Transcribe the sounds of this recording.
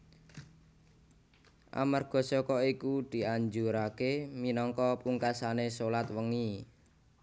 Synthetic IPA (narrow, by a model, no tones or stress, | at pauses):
ʔa̰marɡ̥ɔ̤sɔkɔikud̪̥i̤aɲd͡ʒuɾakeminɔŋkɔpuŋkasanesolat̪wəŋi